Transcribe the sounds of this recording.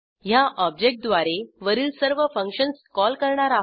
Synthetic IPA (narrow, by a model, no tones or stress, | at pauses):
ɦjaʔɔb̚d͡ʑek̚ʈ̚d̪ʋaɾeʋəɾiːlsəɾʋəfə̃ŋkɕənskɔlkəɾɳaɾa